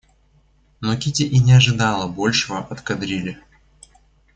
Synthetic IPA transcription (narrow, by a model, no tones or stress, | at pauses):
nokʲitʲɪʔinʲɪɐʐɨd̪ɑlˠəbolʲʂɨvəʔɐt̪kɐd̪ɾʲilʲɪ